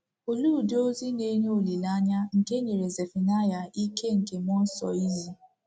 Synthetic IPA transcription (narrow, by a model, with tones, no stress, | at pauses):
o˨luː˦˨do˦zi˦ne˦ɦe˦o˨li˨la˦ɲa˦ŋ̩˨ke˦ɲe˨ɾe˨ze˨fi˨na˦ja˨i˦ke˦ŋ̩˨ke˨mɔ˦n̩˦sɔ̰˨i˦zi˦